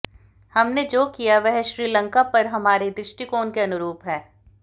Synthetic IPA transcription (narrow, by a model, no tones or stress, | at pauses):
hɐmned͡ʒoːkijaʋɛɦɛʃɾiːlə̃ŋkapɐɾɦɐmaːɾed̪ɾɪʃʈikoːnkeɐnʊɾuːpɦɛː